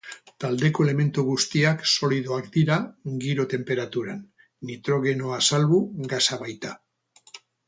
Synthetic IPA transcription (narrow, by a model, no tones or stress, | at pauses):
t̪ald̪e̞ko̞e̞le̞me̞nt̪uɣust̪iakso̞lið̞oakd̪iɾaɡiɾo̞t̪e̞mpe̞ɾat̪uɾan | nit̪ɾo̞ɣ̞e̞noasalβuɡasaβajt̪a